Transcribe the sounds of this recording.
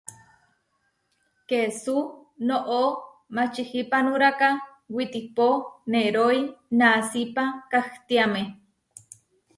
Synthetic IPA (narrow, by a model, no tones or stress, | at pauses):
kesunoʔo | mat͡ʃihipanuɾaka | wit̪iponeɾoinasipakaht̪iame